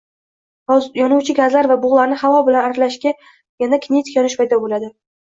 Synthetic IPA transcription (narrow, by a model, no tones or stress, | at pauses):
jɒnʊwt͡ʃʰɪɡʲazlaɾvabʊʁlˠaɾnɪhavɒbɪlanaɾlaʃkʲa | janakʲʰnit̪kʰʲjɒnɪʃpʰajd̪ɒbolad̪ɪ